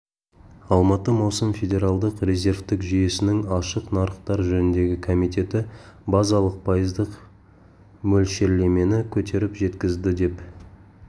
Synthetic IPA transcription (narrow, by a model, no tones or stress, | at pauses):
ɑlˠmɑt̪əmɑwsəmfʲe̞d̪ʲe̞ɾalˠd̪əqre̞zʲe̞ɾft̪ɪkʒije̞sɪnɪŋɑʃəqnɑɾəqt̪ɑɾʒɵnɪnd̪e̞ɡʲɪkʰomijt̪e̞t̪ɪbɑzɑlˠəq̚pʰɑjəzd̪əq | mɵlʃe̞ɾle̞me̞nɪkʲʰɵt̪ʰe̞ɾɪpʒe̞t̪kʲɪzd̪ɪd̪e̞p